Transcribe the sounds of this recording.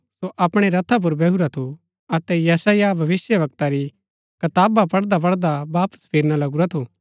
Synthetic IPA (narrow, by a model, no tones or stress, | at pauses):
soʔɐpɽ̃eɾɐt̪ʰap̬ʊɾbɛːɦuɾat̪ʰo | ɐt̪ɛjɐsaːjabʱɐʋɪsjəʋɐk̚t̪aɾi | kɐt̪aːbapɐɽd̪ap̬ɐɽd̪abaːpə̥spʰeːɾñalɐɡuɾat̪ʰoː